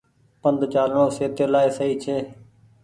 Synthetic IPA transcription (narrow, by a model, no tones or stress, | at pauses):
pənd̪ʱt͡ʃaːlɳõːseːt̪eːlaːeːsəɦiːt͡ʃʰeː